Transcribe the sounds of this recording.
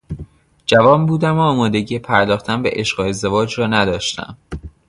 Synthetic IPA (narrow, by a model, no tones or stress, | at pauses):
d͡ʒævɒːmbuːd̪æmoɒːmɒːd̪e̞ɟiːjepʰæɾd̪ɒːxt̪ʰænbḛʔeʃɢee̞zd̪e̞vɒːd͡ʒrɒːnæd̪ɒːʃt̪æ̰m